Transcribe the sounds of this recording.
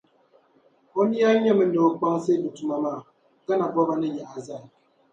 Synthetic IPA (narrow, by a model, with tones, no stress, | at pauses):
ɔ˦ni˦a˦ɲɛ˦mə˨n˦do˨k͡pa˦ŋse˦du˨tu˨ma˨ma˦˨ | ka˦na˨bɔ˦ba˦nə˦ɲɛ˨ʔa˨za˦˨